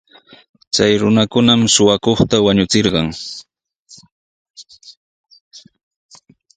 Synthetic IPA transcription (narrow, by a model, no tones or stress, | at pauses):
t͡sajɾʊnakʊnamʃʊwakoχt̪awaɲʊt͡sɪɾɢɑŋ